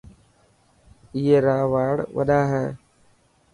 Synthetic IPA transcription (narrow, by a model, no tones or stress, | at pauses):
ɪːeːɾaːʋaːɽʋə̰ɗaːɦɛː